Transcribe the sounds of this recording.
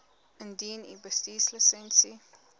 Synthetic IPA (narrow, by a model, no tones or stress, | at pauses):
əndiːnḭbəstiːsləsɛnsi